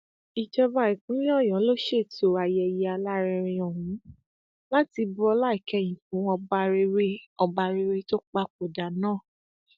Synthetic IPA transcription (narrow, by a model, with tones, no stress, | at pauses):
i˨d͡ʒɛ˧ba˨˧˨i˨k͡pũ˨˦ĩ˦ɔ˦˨jɔ̃˨˦lo˦ʃe˦˨to˨a˨jɛ˧˨ji˨˧a˧la˦˧ɾɛ˧ɾ̃ĩ˧ɔ˨ɦũ˨˦ | la˦ti˧bu˦ɔ˧la˦i˦˨kɛ˧˨j̃ĩ˨fũ˨˦ɔ˧ba˧ɾe˧˦ɾe˦ɔ˧ba˧ɾe˧ɾe˦to˦k͡pa˦k͡po˨da˨nãː˦˨